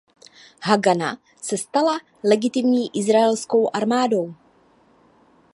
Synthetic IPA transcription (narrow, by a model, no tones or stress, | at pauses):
ɦaɡana̰ | sɛst̪ala | lɛɡɪt̪ɪmɲiːʔɪzɾaɛlsko̞wʔaɾmaːdo̞w